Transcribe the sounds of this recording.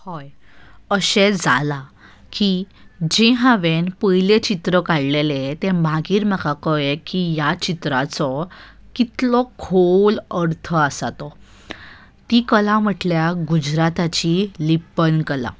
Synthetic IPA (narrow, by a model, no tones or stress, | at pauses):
hɔjəɕed͡zala | kid͡ʑeɦãʋenpəjlet͡ɕit̪ɾəkaɽlelet̪ẽmaɡiːɾməkakɔjekijat͡ɕit̪ɾat͡sɔ | kit̪lɔkʰoləɾt̪ʰəasat̪ɔ | t̪ikəlãm̤əʈljaɡud͡ʑɾat̪at͡ɕilipənkəla̰